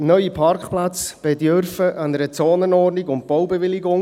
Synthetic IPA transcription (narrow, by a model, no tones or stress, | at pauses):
nœʏipʰɑrkχplat͡sb̥ɛdøɾfəʔɑnəɾət͡soːnənɔːrniɡʊnt̚b̥ɔwbɛʋɪlɪɡʊŋ